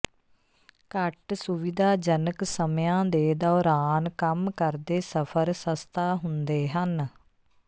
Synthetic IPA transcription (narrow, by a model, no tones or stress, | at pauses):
kəʈsʊʋɪd̪aːd͡ʒənəksəmjãːd̪eːd̪ɔːɾaːnkəmkəɾd̪eːsəpʰəɾsəst̪ʰaːɦʊnd̪eːɦən